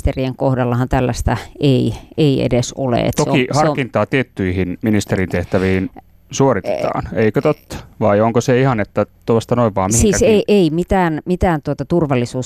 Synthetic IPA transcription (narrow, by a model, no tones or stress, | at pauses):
t̪erieŋkohdɑlːɑhɑnt̪ælːæst̪æʔeieiḛdeso̰lḛḛt̪ːokihɑrkint̪ˑɑːt̪iet̪ːyihinminist̪erint̪eht̪æʋiin | suorit̪et̪ɑ̰ːneikøt̪ot̪ːʋɑioŋkoseihɑnet̪ːæt̪oɑst̪ɑnoiʋʋɑːmmihisiːseieimit̪æːnmit̪æːnt̪uot̪ɑt̪urʋɑlːisuː